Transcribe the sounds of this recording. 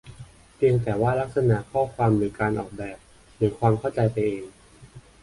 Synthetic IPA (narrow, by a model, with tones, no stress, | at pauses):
pi˧əŋt̪ɛː˨˩waː˥˩la˦˥k̚sa˧naː˩˦kʰɔː˥˩kʰwaː˧mɾɯː˩˦kaː˧nʔɔː˨˩k̚bɛː˨˩p̚ | ɾɯː˩˦kʰwaː˧mkʰa˥˩wt͡ɕa˧jpa˧jʔeː˧ŋ